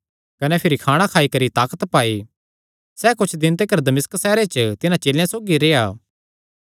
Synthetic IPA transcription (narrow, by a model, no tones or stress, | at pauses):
kɐnɛpʰɪɾikʰaːɽ̃akʰaːikɐɾit̪aːkət̪paːi | sɛːkʊt͡ʃʰd̪ɪnt̪ekɐɾd̪ɐmɪsksɛːɾet͡ʃt̪ɪnãt͡ʃeːljãsoːɡiɾeːaː